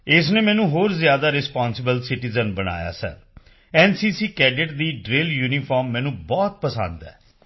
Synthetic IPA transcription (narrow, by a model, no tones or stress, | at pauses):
ɪs̬neːmɛ̃ːnũːɦoːɾzɪjaːd̪aːɾɪspaːnsɪbəlsɪʈizənbəna̰ːja̰ːsɛ̰ː | ɛːnsiːsiːkɛːɖɪʈd̪iːɖɾeːljuːnipʰɔːɾmːɛ̃ːnũːbɔːt̪̚pəsə̰̃nd̪ɛ̰ː